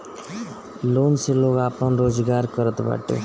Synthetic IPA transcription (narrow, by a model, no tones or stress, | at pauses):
lonseloɡapanɾod͡zɡaɾkʌɾʌt̪ba̰ʈo̰